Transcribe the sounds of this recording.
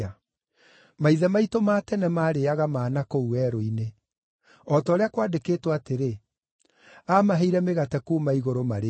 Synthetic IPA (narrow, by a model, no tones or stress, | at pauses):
a | maiðɛmaitomatɛnɛmaːɾeaɣamaːnakouɛɾoine | ɔtɔːɾeakwaːdekeːtwateɾe | amaɦeiɾɛmeɣatɛkuːmaiɣoɾomaɾe